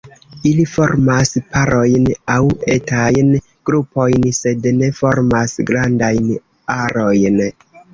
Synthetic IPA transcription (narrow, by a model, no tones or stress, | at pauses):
ilifo̞ɾmaspaɾʔo̞jnawetajn | ɡ̥ɾupo̞jnse̞dne̞fo̞ɾmasɡɾandajn | aɾo̞jn